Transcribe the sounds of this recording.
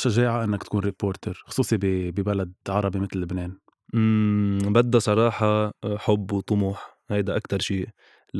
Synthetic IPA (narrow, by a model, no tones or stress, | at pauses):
ʃaʒeːʕaʔɪnːakt̪ḁkuːnɾipːoːɾt̪eɾxʊ̥sˤuːsˤibibibalad̪̚ʕɑɾˤɑbimɪt̪lːɪbneːn | ʔmbad̪ːasˤɑɾˤɑːħɑħʊbːwt̪ˤʊmuːħ | hajd̪aʔakt̪ɑɾˤʃiː